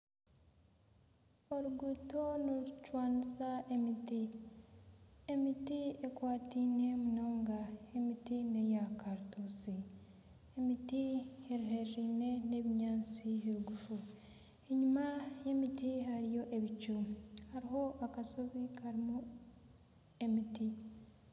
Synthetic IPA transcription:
o̞ɾuɡuto̞noɾut͡ʃwaːnisaemiti | e̞mitiekwaːtiːne̞munoːŋɡaemitine̞jakaɾutusi | emitieɾiɦe̞ɾɾiːne̞ne̞βiɲaːnt͡siɦeɾuɡufu | e̞ɲumaje̞mitihaɾijo̞ʔe̞βit͡ʃuɾuhaɾiɦo̞ʔakaso̞zikʰaɾimu | e̞miti

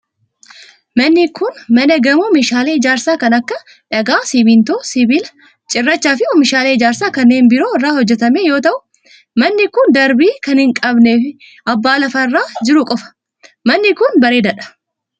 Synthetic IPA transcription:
mɐnːɪkʊnmɐnɐɡɐmuːmɪʃaːleːɪd͡ʒaːɾsaːkɐnɐkːɐ | ᶑɐɡaːsɪbɪnt̪oːsɪbɪlɐ | t͡ʃʼɪrːɐt͡ʃːaːfɪɔmɪʃaːleːɪd͡ʒaːɾsaːkɐnːe̞ːnbɪɾo̞ːɪrːaːhɔd͡ʒːɛt̪ɐmeːjo̞ːt̪ɐʔʊ | mɐnːɪkʊnd̪ɐɾbiːkɐnhɪŋkʼɐbneːfɪ | ɐbːaːlɐfɐrːaːd͡ʒɪɾʊkʼɔfɐ̥ | mɐnːɪkʊnbɐɾe̞ːd̪ɐᶑɐ̥

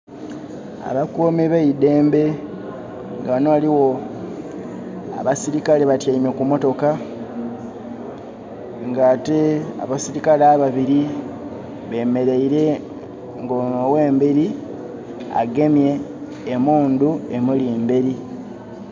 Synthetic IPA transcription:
a̰βakoːmiβeide̞ːmbe̞ | ŋɡanoaliwo̞ | a̰βasiɾikaleβatjaimekumo̞to̞ka | ŋɡaːte̞a̰βasiɾikalaːβaβiɾi | βe̞ːme̞ɾe̞iɾe̞ | ŋɡonowe̞ːmbeɾi | a̰ɡe̞mje̞ː | muːndue̞muliembeɾi

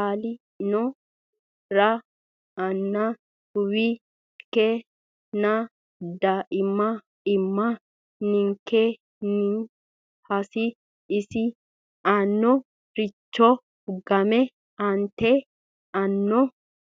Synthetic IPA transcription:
aːlɪ | nɔ | ɾɐ | ɐnːɐ | ʊwi | ke | nɐ | d̪ɐʔɪmːɐ | ɪmːɐ | nɪŋke | ni | hɐsɪ | ɪsɪ | ɐnːɔ | ɾɪt͡ʃːɔ | ɡɐmɛ | ɐnt̪ɛ | ɐnːɔ

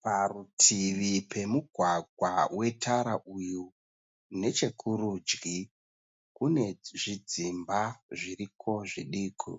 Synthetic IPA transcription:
parutʰiʋipe̞muɡʱwaɡʱwawe̞tʰaɾaʔuju | ne̞t͡ʃe̞kʰuɾud͡ʒɡi | kune̞ʐid͡zimbaʐirikʰo̞ʐiɗiːkʰṵ

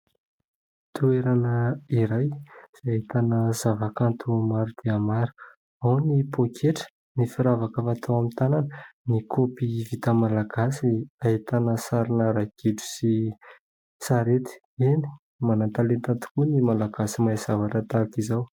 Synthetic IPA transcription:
t̪ueɾanəiɾajz̥ait̪anəz̥avakant̪ʰumaɾud̪̥eamaɾu̥ | awnipʰokʰeʈ͡ʂə̥ | nifiɾavakafat̪ʰawamint̪ananənikʰopivit̪əmalaɡasiaɦit̪anəsaɾinəɾaɡ̥iɖ͡ʐu̥si | saɾet̪i̥ | ini̥ | manant̪alent̪at̪u̥kunimalaɡ̥asimajzavaʈ͡ʂət̪akizaw

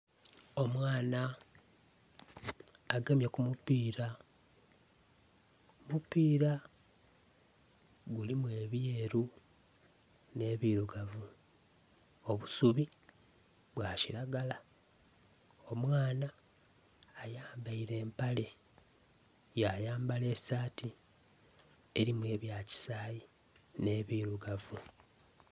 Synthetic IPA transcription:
o̞mwaːna | ɡemjekumupiːɾa | mupiːɾa | ɡulimwe̞ːβjeːɾu | ne̞βiɾuɡavu | oβusuβi | βwaːciɾaɡala | o̞mwaːnaː | jaːmbaiɾe̞ːmpale̞ | jajaːmbale̞ːsaːti | e̞ɾimwe̞ːβjaːci̥saːji | ne̞βiɾuɡavu

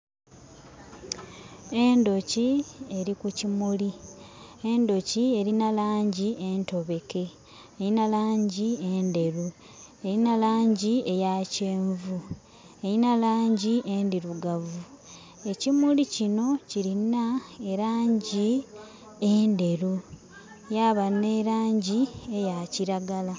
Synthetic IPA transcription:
e̞ndo̞cieɾikucimuli | endo̞cie̞ɾinalaːɲɟie̞nto̞βe̞ke̞ | ejinalaːɲɟiende̞ɾu | e̞ɾinalaːɲɟie̞jaceːɱvu | eɾinalaːɲɟiʔendiɾuɡavu | e̞cimulicino̞ciɾinaeɾaːɲɟi | ende̞ɾu | jaβaneɾaːɲɟie̞jaciɾaɡala

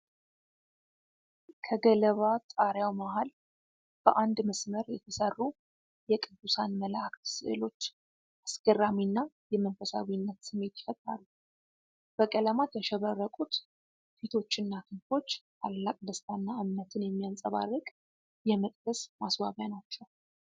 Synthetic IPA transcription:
kʰəɡələβat̪ʼaɾjawmahal | b̥əʔand̪məsməɾjɛt̪ʰəsərːu | jɛkʼɨd̪ːusanməlakt̪sɨ̰ʔɨ̰lo̞t͡ʃː | ʔasɡəraminːajɛmənfəsa̰βinːət̪sɨmːe̞t̪jɪ̥fət̪ʼɾalːu | b̥əkʼələmat̪jɛʃɛβərːəkʼut̪ | fit̪ʰo̞t͡ʃːɨnːakʰɨnt̪o̞t͡ʃːt̪ʰalːakʼd̪əst̪ʰanːaʔɨmnət̪ʰɨnjɛmːijansʼəβa̰rːɨkʼ | jɛmət̪ʼkəsmaswaβjanat͡ʃːɛw

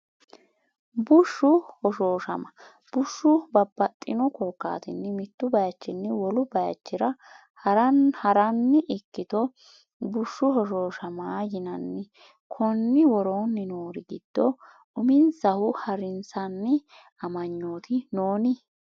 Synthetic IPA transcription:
bʊʃːʊhɔʃoːʃɐ̰mɐ | b̥ʊʃːʊbɐbːɐt̪ʼːɪnɔkɔkːa̰ːt̪ɪnːɪmɪt̪ːʊbɐjɐt͡ʃːɪnːɛwɔlʊbɐjɐ̰t͡ʃːɪɾɐ | hɐɾɐnhɐɾɐnːɪʔɪkːɪt̪ɔ | bʊʃːʊhɔʃoːʃɐmaːjɪnɐnːɪ | kʰɔnːɪwɔɾoːnːɪnoːɾɪɡɪd̪̥ːɔ | ʔʊmɪnsɐhʊhɐɾɪnsɐnːɪ | ɐmɐɲːoːt̪ʰɪnoːnɪ

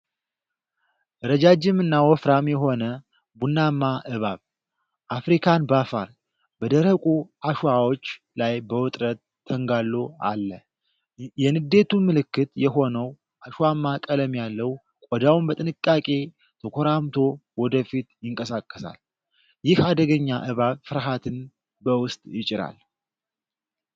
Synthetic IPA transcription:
ʔɨɾəd͡ʒad͡ʒɪmɨnːawɔfɾamjɛɦo̞nə | bunːamːaʔɨβaβ | ʔafɾikʰanbafa̰ɾ | bəd̪əɾəkʼuaʃawo̞t͡ʃː | lajbəwʊt̪ʼɾət̪ʰːəŋɡalːoa̰lːə | jɛnɨd̪e̞t̪ʰumɨlɨkːɨt̪jɛɦo̞nəw | ʔaʃwamːakʼələmjalːəw | kʼɔd̪awunbət̪ʼɨnɨkʼːakʼe̞ | t̪ʰəkʰoɾamt̪ʰo̞wɔd̪əfit̪jɪŋkʼəsakʼːəsa̰l | jɪhad̪əɡəɲːaʔɨβaβfɨɾɦat̪ʰɨn | bəwʊst̪ʼjɪt͡ʃʼɪɾa̰l

